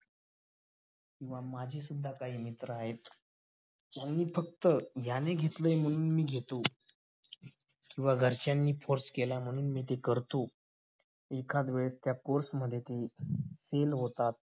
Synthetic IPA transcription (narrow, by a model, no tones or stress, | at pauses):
kĩw̃ʋamad͡ʑʱisud̪ʱːakaɦiːmit̪ɾəaɦet̪ː | janːiːfək̚t̪əjaneɡʱet̪ləːjm̤əɽ̃uːnmiːɡʱet̪o | kĩw̃ʋaɡʱəɾt͡ɕjanːiːfoɾskelam̤əɽ̃uːnmiːt̪̬ekəɾt̪o | ekʰad̪ʋəɭest̪jakoɾsməd̪ʱːjet̪eselɦot̪at̪̚